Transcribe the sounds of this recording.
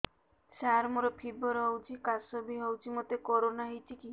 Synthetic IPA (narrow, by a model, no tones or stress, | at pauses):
ʃaɾmuɾɔpʰiboɾɦowd͡ʒikasobiɦowd͡ʒimot̪ekoɾonaɦejt͡ʃʰiki